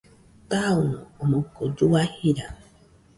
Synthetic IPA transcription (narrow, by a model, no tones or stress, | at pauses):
t̪aunomokod͡ʒuahiɾa